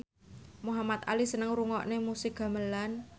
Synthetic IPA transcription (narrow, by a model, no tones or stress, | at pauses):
muɦamat̪̚a̰lisənəŋɾuŋɔ̰ʔnemusɪkɡ̥a̤məlan